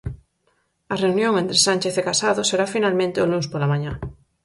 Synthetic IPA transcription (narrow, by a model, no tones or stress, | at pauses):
ɐreunjõŋẽnt̪ɾesanʲt͡ʃeθekasaðʊseɾafinalmẽnt̪ɪʊlunspolamãɲã